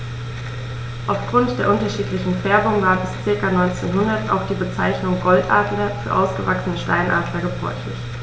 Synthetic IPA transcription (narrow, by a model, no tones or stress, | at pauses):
ʔaʊfɡ̥ʁʊntd̥eːɐʔʊntɐʃiːtlɪçn̩fɛɐbʊŋvaːɐbɪst͡sɪɐkanɔʏnt͡sḛːnɦʊndɐta̰ʊxd̥iːbət͡saɪçnʊŋɡɔltʔa̰ːɐdlɐfyːɐʔa̰ʊsɡ̥əvaksənəʃta̰ɪnʔa̰ːdlɐɡəbʁɔ̰ʏçlɪ̰ç